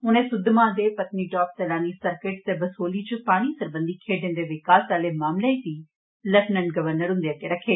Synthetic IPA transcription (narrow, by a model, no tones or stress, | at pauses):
ʊnẽːsʊd̪mãd̪eːpət̪niːʈɔːpsɛːlaːnisəɾkeːʈt̪ebəsoːlit͡ʃəpaːɽ̃isəɾbə̃nd̪iːkʰeːɖɪ̃nd̪eːʋɪkaːsaːlemaːmleisiː | ləʈnənɡəʋəɾnəɾɦʊ̃nd̪eaːt̪eɾəkʰːeː